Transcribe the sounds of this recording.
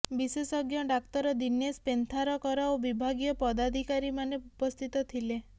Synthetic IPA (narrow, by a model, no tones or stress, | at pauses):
bisesɔɡjɔɖak̚t̪ɔɾɔd̪injespent̪ʰaɾɔkɔɾaobibʱaɡijɔpɔd̪ad̪ʱikaɾimaneupɔst̪ʰit̪ɔt̪ʰile